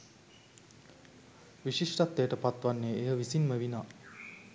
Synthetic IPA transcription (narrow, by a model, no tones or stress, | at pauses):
ʋiʃiʂʈat̪ːeːʈəpat̪ʋanːeeɦəʋisinməʋina